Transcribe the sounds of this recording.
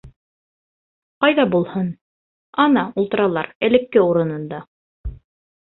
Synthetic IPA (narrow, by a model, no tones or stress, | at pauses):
qɑjðɑbulˠhɤn | ɑnɑulˠt̪ɤ̆ɾɑlˠɑɾɘ̆lɘ̆kːɘuɾɤ̆nɤ̆nd̪ɑ